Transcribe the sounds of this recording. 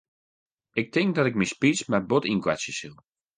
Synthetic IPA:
ɪk̚tɪŋk̚dɔtɪk̚mispismɛbotinkwɛ̰sjəsilˠ

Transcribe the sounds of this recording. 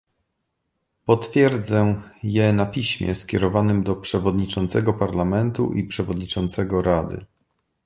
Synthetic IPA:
pɔt̪fʲjɛɾd̪zɛjɛnapʲiɕmʲjɛ̰skʲɛɾɔvanɘmd̪ɔpʂɛvɔd̪ɲit͡ʂɔnt̪sɛɡɔpaɾlamɛnt̪ṵʔipʂɛvɔd̪ɲit͡ʂɔnt̪sɛɡɔɾad̪ɘ̰

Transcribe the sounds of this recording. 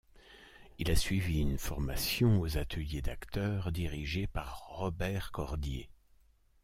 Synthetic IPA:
ilasɥiviynfɔʁmasjɔ̃ozat̪ʰəljed̪akt̪œːʁd̪iʁiʒepaʁːɔbɛʁkɔʁd̪jḛ

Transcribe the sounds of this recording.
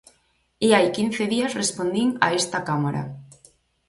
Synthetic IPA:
eajkin̟θeðiasrespond̪iŋa̰est̪akamaɾa̰

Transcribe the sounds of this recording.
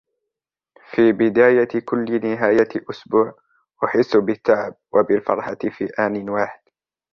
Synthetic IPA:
fiːbɪd̪aːjakʊlːnɪɦaːjaʔʊsbuːʕ | ʔʊħɪsːʊbɪt̪ːaʕɪb̚wʔabɪlfɑ̰ɾˤħafiːʔaːnɪnwaːħɪd̪̥

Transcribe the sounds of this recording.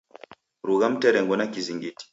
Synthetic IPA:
ɾuɣam̩tɛɾɛŋɡɔnakiziŋɡiti̥

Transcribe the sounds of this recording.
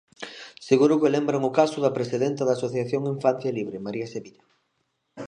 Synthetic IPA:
seɣuɾʊkelembɾaŋʊkasʊðɐpɾesiðent̪ɐðaːsoθjaθjoŋiɱfan̟θjaliβɾemaɾiɐseβiʎa

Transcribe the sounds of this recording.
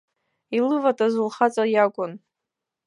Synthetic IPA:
ilɨvatʼazulχat͡sʼajakʷʼʊn

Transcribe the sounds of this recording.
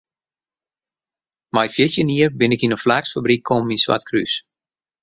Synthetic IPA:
majfjɪsjəniərbɪnɪkinənflaːksfabrikʰːɔmminswa̰tkʰrys

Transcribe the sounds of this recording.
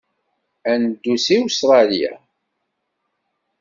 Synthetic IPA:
ænd̪ːusiwst̪ɾˤɑlijæ̰

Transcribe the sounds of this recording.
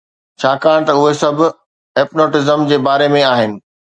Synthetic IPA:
t͡ɕʰaːkaːɽ̃t̪ɐʊɦesɐbʱʊ̆ | eːpnoːʈɪzəmd͡ʑeːbaːɾemẽaːɦɪnɪ̆

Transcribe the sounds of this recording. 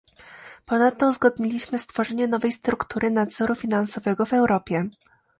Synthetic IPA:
pɔnat̪ːɔzɡɔd̪̚ɲilʲiɕmɘst̪fɔʐɛɲɛnɔvɛjst̪ɾukt̪uɾɘnad̪zɔɾufʲinansɔvɛɡɔvɛwɾɔpʲjɛ

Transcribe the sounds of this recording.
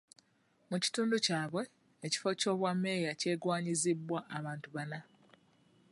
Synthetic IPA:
muci̥tuːnducaːβwe̞ː | ci̥fo̞co̞ːβwamːe̞ːjace̞ːɡwaːɲizibːwaʔːβaːntuβana

